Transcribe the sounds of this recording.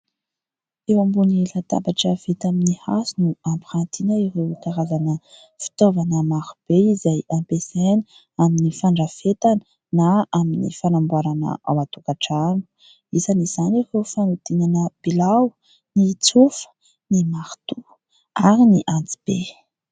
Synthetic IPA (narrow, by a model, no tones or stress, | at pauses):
ewambunilat̪a̰baʈ͡ʂəvet̪aminiha̰sunuampɾant̪inəiɾewk̪aɾazanə | fi̥t̪ovanəmaɾub̥eizajampesan | aminifaɳɖ͡ʐafet̪anə | naaminḭfalambuaɾanə̰ʔa̰wat̪ukaʈ͡ʂanu̥ | izaniz̥aniɾewfanut̪inanəb̥ilaw | nit͡sufə̥ | nimaɾt̪u | aɾiniʔant͡si̥b̥e